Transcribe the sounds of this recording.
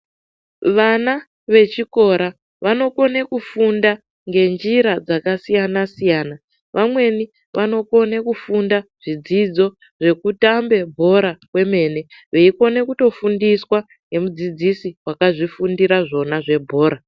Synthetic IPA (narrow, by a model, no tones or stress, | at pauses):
ʋana | ʋe̞t͡ʃiko̞ɾa | ʋano̞ko̞ne̞kufunda | ŋɡe̞nd͡ʒiɾad͡zakasijanasijaːna | ʋʔamwe̞ni | ʋano̞ko̞nekufundaʐ̥id͡zid͡zo̞ | ʐe̞kutambe̞bʱo̞ɾakwe̞me̞ːne̞ʋeiko̞ne̞kuto̞fundiswa | ŋɡe̞mud͡zid͡zisiwakaʐifundiɾaʐo̞naʐe̞bʱo̞ːɾa